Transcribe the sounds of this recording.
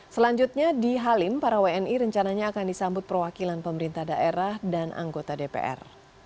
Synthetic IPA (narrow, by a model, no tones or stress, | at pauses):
səlaɲd͡ʒut̪̚ɲadiɦalɪmpaɾaweɛniɾəɲt͡ʃanaɲaːkandisambʊt̪̚pərwakilanpəməɾint̪ahdaʔeɾahdanʔa̰ŋɡot̪adepḛʔɛ̰r